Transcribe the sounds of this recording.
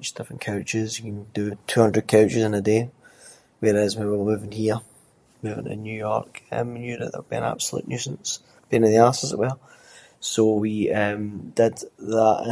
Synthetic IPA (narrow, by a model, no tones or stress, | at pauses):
t͡ʃd̥ɪfɹə̃nkʰaʊt͡ʃɪzjəkə̃ndətʰʉːhʌ̃ndɹəd̚kʰaʊt͡ʃɪzɪ̃nəde | wɛɹɪzwiwəmʉːvɪ̃ŋhiɹ | mʉvɪ̰̃ŋɪ̰̃njʉjɔ̰ɹkʌ̰̃mnjʉdə̰ðə̰wəbiə̃na̰b̥səlˠʉ̰ʔnjʉsə̃n̩s | b̥ẽnɪ̃nðiasəzə̰ʔwɛlˠ | sowiʌ̃md̥ɪd̪̚ðəʔ